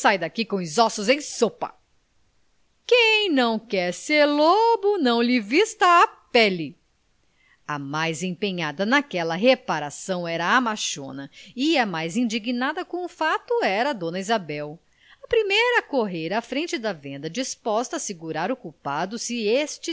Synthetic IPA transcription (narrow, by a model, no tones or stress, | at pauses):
sajd̪akikõʊzɔsʊzẽj̃sopɐ | kẽj̃nɐ̃w̃kɛɾseɾlobʊnɐ̃w̃lɪvist̪ɐːpɛlɪ | amajzẽpẽɲad̪ɐnakɛlɐɦepaɾasɐ̃w̃ɛɾɐamaʃõ̰nɐiɛmajzĩd͡ʒiɡinad̪ɐkõʊfat̪ʊɛɾɐd̪õnɐizabɛw | ɐpɾimejɾɐkoɦeɾafɾẽnt͡ʃɪd̪ɐvẽnd̪ɐd͡ʒispɔst̪ɐːsiɡuɾaɾokupad̪ʊsɪest͡ʃɪ